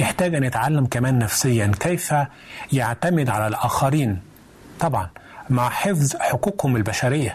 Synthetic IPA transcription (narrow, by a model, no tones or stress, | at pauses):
jɪħt̪æːɡʔanːjɪt̪ʕalːamkamæːnːæfsɪjːankejfæ | jaʕt̪amɪd̪ʕalælʔæːxæɾiːn | t̪ˤɑbʕɑn | maʕħɪfzħʊkuːkhʊmɪlbæʃæɾɪjːa